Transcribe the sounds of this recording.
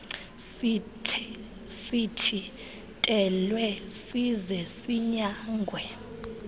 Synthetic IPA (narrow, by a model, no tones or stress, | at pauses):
tʰ | sitʰi | tʼɛlwɛsizɛsiɲaːŋɡʱwɛ